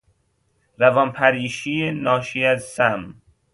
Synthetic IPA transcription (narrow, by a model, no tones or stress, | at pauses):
ɾævɒmpʰæɾiːʃienɒːʃiæzsæm